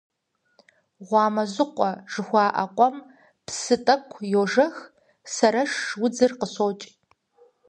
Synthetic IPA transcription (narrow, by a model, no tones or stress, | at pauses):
ʁʷɑːmɐzɨqʷɔʒ̥ɨxʷɑːʔɐ̰qʷʼɔm | psɨtʼɐkʷʰjoːʒɐx | sɐɾɐʂːwʊd͡zɨrqəsoːt͡ʃʼ